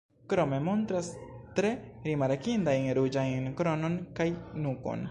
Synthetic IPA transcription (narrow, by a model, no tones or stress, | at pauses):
kɾo̞me̞montɾastɾe̞ɾimaɾkindajnɾud͡ʒajnkɾo̞nonkajnuko̞̰n